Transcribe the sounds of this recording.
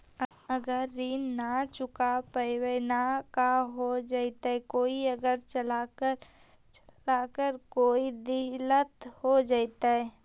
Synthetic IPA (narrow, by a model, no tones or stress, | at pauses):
əɡəɾːiːnnat͡ʃʊkapəɪwenakaɦod͡ʒaːit̪aɛkoːiəɡəɾt͡ʃəlakə | t͡ʃlakəɾkoːid̪ɪlət̪hod͡ʒaːɪt̪aɦɛ